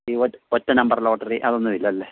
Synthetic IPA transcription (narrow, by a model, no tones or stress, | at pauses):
iootːɐnɐmbɐrloːʈːɐriʔɐðo̞nːuʋilːɐɐlːe